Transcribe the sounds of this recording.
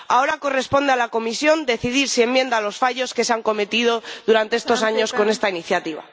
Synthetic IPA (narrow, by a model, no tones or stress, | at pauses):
aoɾako̞re̞spo̞nd̪e̞alako̞misjo̞nd̪e̞θiðiɾsie̞mːjend̪alo̞sfaʝo̞ske̞seaŋko̞me̞t̪ið̞o̞ðuɾant̪e̞est̪o̞saɲo̞sko̞ne̞st̪ainiθjat̪iβa̰